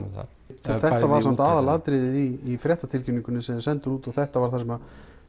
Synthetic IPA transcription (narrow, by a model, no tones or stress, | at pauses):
θa̰ | θɛt̪ːavaɾ̥sam̥t̪aːðalaðt̪ɾɪðɪðiːfɾɛht̪at̪ʰɪlciniŋkʏnːɪsɛðsɛnt̪ʏɾuːt̪ɔθɛht̪avaɾ̥θasɛma